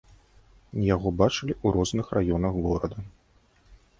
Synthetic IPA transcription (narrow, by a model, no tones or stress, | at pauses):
jaɣɔbat͡ʂɨlʲiuɾɔznɨxrajɔnɐɣɣɔɾɐd̪ɐ